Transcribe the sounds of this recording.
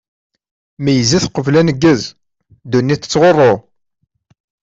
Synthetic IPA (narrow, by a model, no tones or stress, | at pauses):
mæjəziθqːəvlænəɡːəz | d̪unːiθə̥t͡sːʁorˤːo